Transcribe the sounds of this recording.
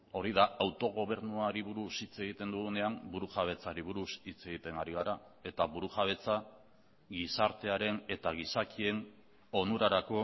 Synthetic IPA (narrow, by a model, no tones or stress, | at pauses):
o̞ɾiðaawt̪o̞ɣ̞o̞β̞e̞ɾnuaɾiβuɾusit͡se̞ɣit̪e̞nd̪uɣune̞ambuɾuxaβ̞e̞t͡saɾiβuɾusit͡se̞ɣ̞it̪e̞ŋaɾiɣ̞aɾa | e̞t̪aβuɾuʝaβe̞t͡sa | ɡisaɾt̪e̞aɾe̞ne̞t̪aɣ̞isakie̞n | o̞nuɾaɾako̞